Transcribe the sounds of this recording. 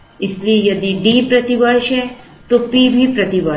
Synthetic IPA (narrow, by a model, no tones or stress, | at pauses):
ɪslijəd̪iɖipɾɐt̪iʋəɽʃe | t̪opibʱipɾət̪iʋə